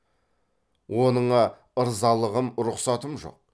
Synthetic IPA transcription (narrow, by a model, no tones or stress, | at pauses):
wo̞nəɴɑ | əɾzɑlˠəʁəmɾʊqsɑt̪əmʒo̞̰q̚